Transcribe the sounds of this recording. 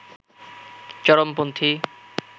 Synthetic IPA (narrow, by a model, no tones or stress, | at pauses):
t͡ɕɔɾompont̪ʰi